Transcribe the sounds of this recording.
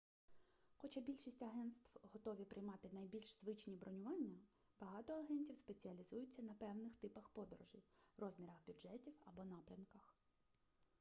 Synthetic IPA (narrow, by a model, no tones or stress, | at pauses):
xɔt͡ʃabʲilʲʃisʲtʲɐɦɛnt̪st̪wɦɔt̪ɔʋʲipɾʔɪjmɑt̪ɪnɐjbʲilʲʃzʋɪt͡ʃnʲibɾʔɔnʲʊʋɑnʲːɐ | b̥ɐɦɑt̪ɔɐɦɛnʲtʲiwspe̞t͡sʲiɐlʲizujʊt͡sʲːɐnɐpɛwnɪxt̪ɪpɐxpɔd̪ɔɾɔʒɪrɔzmʲiɾɐɣbʲʊʒɛtʲiwɐbɔnɑpɾʲɐnkɐx